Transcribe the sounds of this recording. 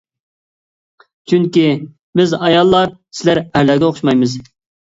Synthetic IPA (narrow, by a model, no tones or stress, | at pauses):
t͡ʃʰyŋkʲi | bɪzɑjɑlˠːɑɾsɪlæɾæɾlːæɾɡʲɛoχʊʃmɑjmɨz